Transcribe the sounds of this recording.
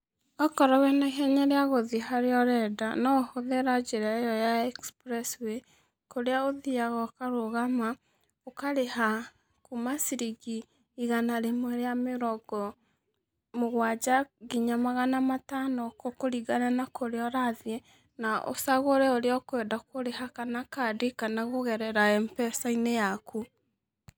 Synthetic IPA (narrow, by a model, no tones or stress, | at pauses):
ɔkɔɾɔwɛnaɦɛɲaɾeaɣoðiɦaɾeɔɾɛdanɔhoðeɾad͡ʒeɾajɔjaɛkspɾɛswe | koɾeaoðiaɣɔkaɾoɣama | okaɾeha | kumasiɾiɡiː | ɣanaɾemwɛɾeameɾɔɡɔ | moɣwad͡ʑaɡeɲamaɣanamatanɔkokoɾiɡaɾanakoɾeɔɾaðjɛ | naʔo̰saɣoɾɛoɾeɔkwɛdakoɾeɦakanakadekanaɣoɣɛɾɛɾaɛmpɛsainejaku